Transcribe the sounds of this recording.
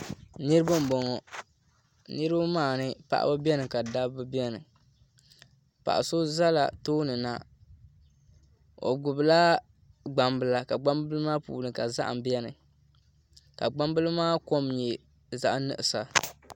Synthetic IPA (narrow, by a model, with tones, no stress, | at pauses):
nɨ˦ɾɨ˦bɨ˦m̩˨bɔ˨ŋɔ˨ | nɨ˦ɾɨ˦bɨ˦maː˦˨nɨ˦pa̰˦ʔa̰˦bɨ˦bɛ˦nɨ˨ka˨da˦bɨ˦bi˦ɛ˦nɨ˨ | pa̰˨ʔa̰˨so˦za˦la̰˨toː˦nɨ˨na˦ | o̰˨ɡʊ˨bɨ˨la˦ | ɡ͡ba˨mbɨ˦la˨ka˨ɡ͡ba˦mbɨ˦lɨ˦maː˦pṵː˨lɨ˨ka˨za̰˦ʔa̰˨m˨bɛ˦nɨ˨ | ka˨ɡ͡ba˦mbɨ˦lɨ˦maː˦ko˦mɲɛ˨ | za˨ʔnɨ̰˨ʔɨ˨sa˨